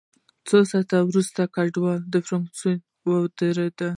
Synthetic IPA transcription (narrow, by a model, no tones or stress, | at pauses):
t͡sosɑt̪awɾust̪akaɖwɑd̪əfɾaŋksun | wawd̪əɾed̪a